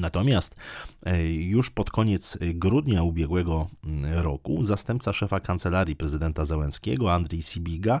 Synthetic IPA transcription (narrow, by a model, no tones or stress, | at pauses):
nat̪ɔmʲjast̪ | juʂpɔt̪kɔɲɛt̪sɡɾud̪ɲaubʲjɛɡwɛɡɔɾɔkuzast̪ɛmp̚t̪saʂɛfakant̪sɛlaɾʲjipɾɛzɘd̪ɛnt̪azɛwɛ̃skʲɛ̰ɡɔand̪ɾʲɛjsʲibʲiɡa